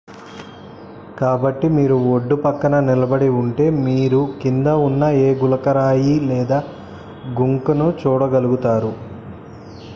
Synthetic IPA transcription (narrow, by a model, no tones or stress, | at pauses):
kaːbɐʈːimiːɾuoɖːupɐkːɐnɐnilɐbɐɽiuɳʈe̞ːmiːɾukind̪ɐunːɐeːɡulɐkɐɾaːjilɛːd̪aː | ɡuŋkɐnut͡ʃuːɽɐɡɐluɡut̪aːɾu